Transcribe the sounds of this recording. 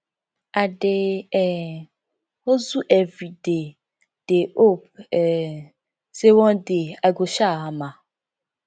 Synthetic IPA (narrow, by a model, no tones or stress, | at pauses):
aɖeɛ | ozuʔɛviɖe | ɖ̥eʔop̚ɛ | sewɔ̃deaɡoʃaamã